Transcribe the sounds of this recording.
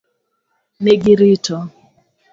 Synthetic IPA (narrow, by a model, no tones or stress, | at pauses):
neɡiɾitɔ